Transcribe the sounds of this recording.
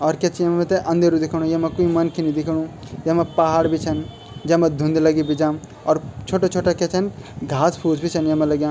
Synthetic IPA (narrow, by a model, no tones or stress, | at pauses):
ɔːɾket͡ʃʰijɐmmet̪eʔɐ̃nd̪eɾud̪ikʰɽ̃ũjemekuimɐnkʰinid̪ikʰɽ̃ũ | jemepaɦaɽbʱit͡ʃʰən | d͡ʒemẽd̪ʱũnd̪lɐɡibid͡ʒãːm | ɔːɾt͡ʃʰoːʈat͡ʃʰoːʈaket͡ʃʰənɡʱaːspʰuːd͡ʒbʱit͡ʃʰənjɐmẽləɡjãː